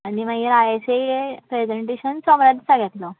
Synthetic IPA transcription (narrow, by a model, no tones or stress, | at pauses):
animaɡiɾajaseepɾed͡zeɳʈeɕənsɔmɾad̪saɡɛt̪lɔ